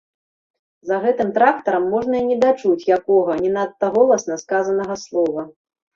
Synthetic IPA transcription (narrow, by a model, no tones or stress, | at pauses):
zɐɣɛt̪ɨmt̪ɾakt̪ɐɾɐmːɔʐnɐinʲɛd̪at͡ʂut͡sʲjakɔɣɐnʲɛnat̪ːɐɣɔlˠɐsnɐskazɐnɐɣɐslˠɔvɐ